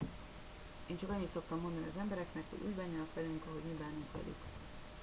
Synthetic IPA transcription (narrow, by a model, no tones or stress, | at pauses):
eːnt͡ʃɒkɒɲːit̪so̞k̚t̪ɒmːo̞nd̪ɒniɒzɛmbɛɾɛknɛkho̰ɟṵːɟbɛɲːɛnɒkʋɛlyŋkɒɦo̞ɟmibaːnuŋkʋɛ̰ly̰k